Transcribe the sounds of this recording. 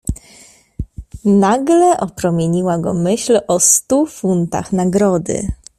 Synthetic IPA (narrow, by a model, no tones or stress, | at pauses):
naɡlɛʔɔpɾɔmʲjeɲiwaɡɔmɘɕlɔst̪ufunt̪a̰xnaɡɾɔd̪ɘ̰